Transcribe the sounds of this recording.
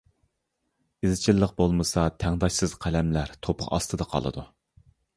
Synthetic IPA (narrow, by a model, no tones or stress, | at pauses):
ɪzɪt͡ʃʰilˠːəq̚bolˠmɨsɑt̪ʰæŋd̪ɑʃsɨz̥qʰælɛmlæɾt̪ʰopʰə̰qɑ̰st̪ʰɨd̪ɑqʰɑ̰lˠɨ̰d̪u